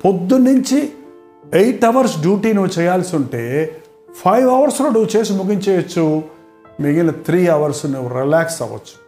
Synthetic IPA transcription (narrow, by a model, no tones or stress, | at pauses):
pod̪ːunuɲt͡ʃi | ejʈɐʋɐɾsɖjuːʈiːnuʋːut͡ʃɛːjːaːlsuɳʈe̞ː | pʰɐjʋɐʋɐɾsloːnuʋut͡ʃe̞ːs̬imuɡiɲt͡ʃɛːjɐt͡ʃːu | miɡɐnːɐt̪ʰɾiːɐʋɐɾsnuʋuɾilaːksɐ̰ʋɐ̰t͡ʃːu̥